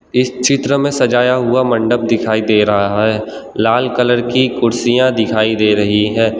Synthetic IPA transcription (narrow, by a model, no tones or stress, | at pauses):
ɪst͡ʃɪt̪ɾəmẽsɐd͡ʒaːjaɦʊamɐ̃ɳɖəb̚d̪ɪkʰaːid̪eːɾɐɦaaɦɛː | laːlkələɾkikʊɾsijãd̪ɪkʰaːid̪eːɾɐɦiɦɛː